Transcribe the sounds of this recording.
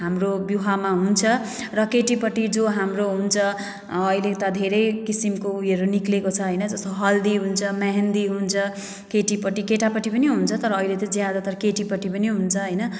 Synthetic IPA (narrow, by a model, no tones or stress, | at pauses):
ɦamrobjuɦamaɦunt͡sʰʌ | rʌkeʈipʌʈid͡zoɦamroɦunt͡sʰʌː | ilet̪ʌd̪ʱeɾʌjkisimkoujʌɾuniklekot͡sʰʌɦʌjnʌd͡zʌst̪oɦʌld̪iɦunt͡sʰʌmaɦend̪iɦunt͡sʰʌ | keʈipʌʈikeʈapʌʈipʌniɦunt͡sʰʌt̪ʌɾʌːilet̪ʌd͡zjad̪at̪ʌɾʌkeʈipʌʈipʌniɦunt͡sʰʌɦʌjnʌ